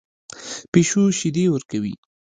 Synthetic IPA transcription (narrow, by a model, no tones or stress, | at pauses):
peʃuʃɪd̪ewəɾkawḭ